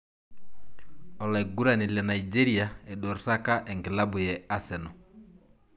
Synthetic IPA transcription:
ɔ˨la˨i˨ɡu˦ɾa˨ni˨lɛ˨na˨id͡ʒɛ˦ɾia˨ɛ˨ɗo˨ɾta˦ka˦ʔɛ˨ŋɡɪ˨la˦bʊ˨jɛa˦sɛ˨nɔ˨

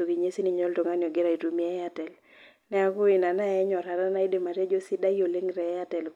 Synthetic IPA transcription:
o˨ɡi˨ɲe˦si˦ni˨ɲɔ˦lto˨ŋa˦njɔ˨ɡɪ˦ɾa˨i˨tu˨mi˦ɛ˦a˨tɛ˨l | nɛ˦a˦kʊ˦ɪ˨na˨na˦ɛ˦ɲɔ˨ɾa˨ɾa˦na˦i˦de˨ma˨ɾja˦d͡ʒo˦sɪ˦da˦i˦o˨le˦ŋɾɛ˨˦a˦tɛ˨l

